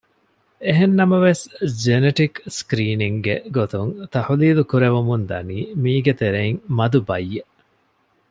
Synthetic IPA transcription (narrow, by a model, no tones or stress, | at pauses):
eɦenːɐmɐʋesd͡ʒeneʈikskɾiːniŋɡḛɡot̪uŋt̪ɐhuliːlukuɾeʋumund̪ɐniːmiːɡet̪eɾeiŋmɐd̪ubɐjːeʔ